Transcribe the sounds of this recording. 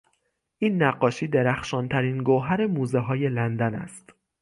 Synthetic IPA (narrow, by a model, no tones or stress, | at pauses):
ʔiːnːæɢːɒːʃiːd̪eɾæxʃɒːnt̪ʰæɾiːnɡoɦæɾemuːzeɦɒːje̞lænd̪ænæ̰st̪